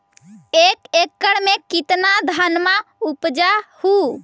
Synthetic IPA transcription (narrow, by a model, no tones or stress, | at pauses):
ekekːəɽmekit̪nad̪ʱanmaupd͡ʒahu